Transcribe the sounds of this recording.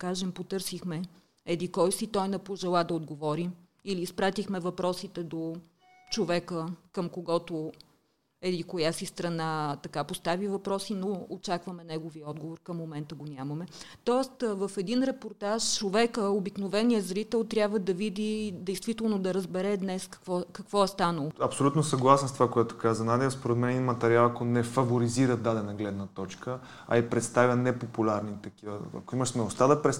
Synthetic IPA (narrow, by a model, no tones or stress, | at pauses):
kaʒɛmpot̪ɤɾsixmɛ | ɛd̪ikɔjsit̪ɔjnɛpoʒɛlˠad̪ɐod̪ɡovɔɾi | iliːspɾat̪ixmɛvɐpɾɔsit̪ɛd̪o | t͡ʃovɛkəkəmkoɡɔt̪o | ɛd̪ikojasist̪ɾɐnat̪ɐkapost̪avivɐpɾɔsinoot͡ʃakvəmɛnɛɡoviəɔd̪ɡovoɾkəmːomɛnt̪əɡonʲaməmɛt̪ɔɛst̪vəfɛd̪inɾɛpoɾt̪aʃt͡ʃovɛkəobiknovɛnijəzɾit̪ɛlˠt̪ɾʲjabvəd̪ɐvid̪id̪ɛjst̪vit̪ɛlˠnod̪ɐɾəzbɛɾɛd̪nɛskɐ̥vɔkɐkvɔɛst̪anəlˠoɐpsolʲut̪nosɐɡlˠasɛnst̪ovakoɛt̪ʊ̥kazɐnad̪ɛəspoɾɛd̪mɛnɛinmɐt̪ɛɾialˠakonɛfɐvoɾiziɾəd̪ad̪ɛnɐɡlɛd̪nɐt̪ɔt͡ʃkə | ɐ̰ipɾɛt̪st̪avʲjənɛpopulʲaɾnit̪ɐkivə̰ɐ̰koiməʃnɛʊʃt̪ad̪ɐpɾɛ